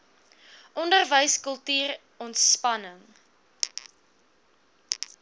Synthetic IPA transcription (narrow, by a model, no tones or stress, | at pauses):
ʔɔndərvəjskəlˠtyːr | ɔntspɐnəŋ